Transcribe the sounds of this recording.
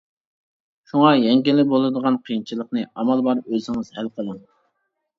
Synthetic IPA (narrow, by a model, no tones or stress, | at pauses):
ʃuŋɑjɛŋɡʲilːɪbolˠɨd̪əʁɑnqʰəjint͡ʃʰilˠəqnɨɑmɑlˠbɑɾøzɪŋɨz̥hælqʰəlˠɨm